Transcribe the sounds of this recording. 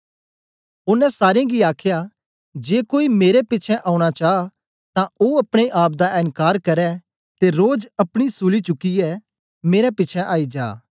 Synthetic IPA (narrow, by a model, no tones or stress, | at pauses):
ʊnːɛ̃saːɾjãɡiaːkʰja | d͡ʒeːkoːimeːɾepɪːt͡ʃʰɛʔaːũɽ̃at͡ʃaːa | t̪ãoɐpɽ̃eʔaːp̚d̪aʔɪnkaːɾkɐɾɛ | t̪eɾoːd͡ʒɐpɽ̃isulit͡ʃʊkːiɛ | meːɾɛpɪt͡ʃʰɛʔaːid͡ʒa̰ː